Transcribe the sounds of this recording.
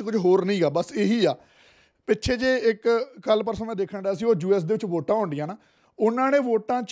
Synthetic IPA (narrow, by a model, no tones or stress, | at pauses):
kʊd͡ʒɦoːɾnəĩːɡaːbəseːɦiːaː | pɪtːʃʰeːd͡ʒeːɪkːəlpəɾsənaːd̪eːkʰəɳɖaːəs̬ĩːoːd͡ʒuːɛːs̬d̪eːʋɪt͡ʃʋoːʈãːɦʊ̃ːɳɖɪjãːnaː | ʊnãːnẽːʋoːʈãːt͡ʃ